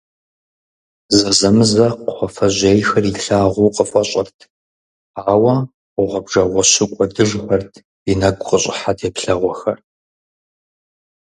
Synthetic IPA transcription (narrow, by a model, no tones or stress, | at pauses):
zɐzɐmɨzɐqχʷɔfɐʑeːjxɐriɬaːʁʷuːqəfʷʼɔɕʼɐrtʰ | aːwɐ | ʊʁʷɐbʒɐʁʷɔɕɪkʷʼɔdɨʒxʷɐrtʰ | inɐɡʷʼqəɕʼɪ̰ħatʰeːpɬɐʁʷɔxɐr